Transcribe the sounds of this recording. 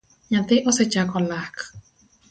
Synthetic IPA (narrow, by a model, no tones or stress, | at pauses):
ɲãt̪eʔoset͡ʃakolahk